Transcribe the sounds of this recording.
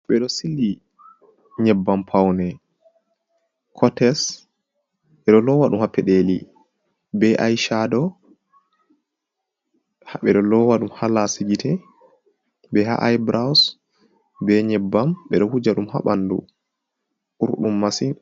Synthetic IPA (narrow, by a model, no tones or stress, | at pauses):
ɓɛɗɔsilːi | ɲɛbːampʰawnɛ | kʰɔtɛs | ɓɛɗɔlɔwaɗumhapʰːɛɗeli | bɛʔajʃadɔ | haɓɛɗɔlɔwaɗumhalasid͡ʒitʰɛ | bɛɦa̰ʔajbɾaws | bɛɲɛbːamɓɛ̰ɗɔhud͡ʒaɗumha̰ɓandṵ | ʔuɾɗumːasin